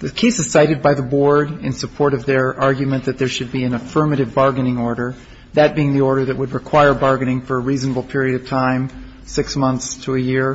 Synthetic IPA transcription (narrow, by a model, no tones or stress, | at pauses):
ðɨkʰeɪsɨz̥saɪɾɨd̚baɪðəbɔɹɾɨ̃nsəpʰɔɹɾʌvðə˞ɑɹɡjɨmɨ̃nðɨt̪̚ðə˞ʃɨd̚biɨ̃nɨfɜ˞mɨɾɨvbɑɹɡɨ̃nɪ̃ŋɔɹɾə˞ | ðɨt̚b̥iɪ̃ŋðiɔɹɾə˞ðɨʔ̚wəd̚ɹɨkʰw̥aɪə˞bɑɹɡɨ̃nɪ̃ŋfə˞əɹiznəbl̩ˠpʰɪɹiɨɾʌv̥tʰãɪ̃m | sɪksmʌ̃nθstʰəːjɪɹ